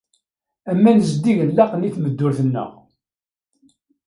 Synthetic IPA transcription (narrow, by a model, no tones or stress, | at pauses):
æmːænzd̪ːiʝəlːɑqəniθməd̪ːʊɾθənːə̰ʁ